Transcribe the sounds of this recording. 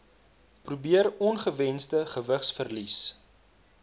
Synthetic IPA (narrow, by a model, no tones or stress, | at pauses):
prubiərɔnχəvɛnstəχəvəχsfərlis